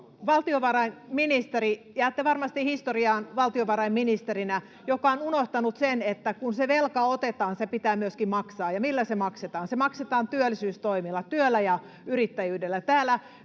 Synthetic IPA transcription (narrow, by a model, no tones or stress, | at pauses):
ʋɑlt̪ioʋɑrɑinminist̪eɾi | jæːt̪ːeʋɑrmɑst̪ihist̪oriɑːnʋɑlt̪ioʋɑɾɑimminist̪eɾinæ | jokɑonunoht̪ɑnut̪senet̪ːækunseʋelkɑot̪et̪ɑːnsepit̪æːmyøskimmɑksɑːjɑmilːæsemɑkset̪ɑːnsemɑkset̪ɑːnt̪yølːisyːst̪oimilːɑt̪yølːæjɑ | yɾit̪ːæjyːdelːæt̪æːlːˑæ